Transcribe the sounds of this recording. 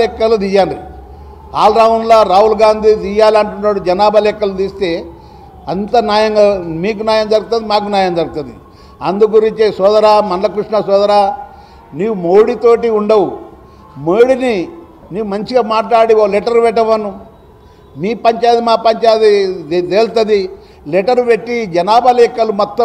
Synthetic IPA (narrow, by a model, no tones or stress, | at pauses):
ɛkːɐlud̪ijaːɳɖ̪i | aːlɾaunlaːɾaːɦulɡaːnd̪ʱid̪ijaːlɐɳʈunːaːɽud͡ʒɐnaːbɐlɛkːɐlud̪iːst̪e̞ː | ɐnt̪ɐnaːjɐŋɡamiːkunaːjɐmd͡ʒ̪ɐɾɡut̪ɐnd̪imaːkunjaːjɐmd͡ʒ̪ɐɾɡut̪ɐnd̪ḭ | ɐnd̪uɡuɾiɲt͡ʃesɔːd̪ɐɾaːmɐnlɐkɾuʂɳɐsɔːd̪ɐɾaː | niːʋumoːɽit̪o̞ːʈiuɳɖɐwu | meːɽini | niːʋumɐɲt͡ʃiɡaːmaːʈlaːɽiolɛʈɐɾʋɛʈːɐʋɐnːu | miːpɐɲt͡ʃaːjd̪imaːpɐɲt͡ʃaːt̪id̪eːlt̪ɐd̪i | lɛʈɐɾʋeʈːid͡ʒɐnaːbɐlɛkːɐlumɔt̪ːɐ